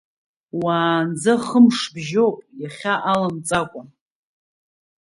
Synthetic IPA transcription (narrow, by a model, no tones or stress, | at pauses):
waːnd͡zaχəmʂbʒowpʼjaχʲaʔalamt͡sʼakʷʼa